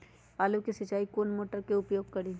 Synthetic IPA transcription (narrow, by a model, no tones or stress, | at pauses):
aːlukisɐt͡ʃaːikoːnmoːʈəɾkeʊpjoːɡ̚kɐɽiː